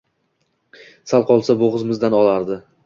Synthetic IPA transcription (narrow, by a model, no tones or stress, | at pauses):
salˠqʰɒlˠsaboʁɨzmɪzd̪anɒlˠaɾd̪ɪ